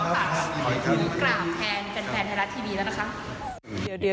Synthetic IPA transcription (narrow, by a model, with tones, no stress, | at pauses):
uː˨˩˦klaː˧˩wt̪ʰɛː˧nt͡ɕa˧˩npʰɛː˧˩nt̪ʰaː˧ɾa˦˥t̪ʰiː˥˩iː˧lɛ˦˥˩na˦˥kʰa˦˥ʔ